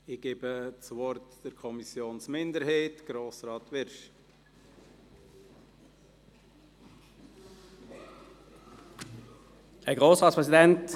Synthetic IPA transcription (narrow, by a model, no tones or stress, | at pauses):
ɪɡ̥eːbət͡sʋɔɾtd̥əɾkʰɔmisjoːnsmɪndəɾɦɛɪtɡ̥ɾoːsʁɑːtʋɪɾʃ | ɛɡʁoːsʁɑːtspʁɛsidɛnt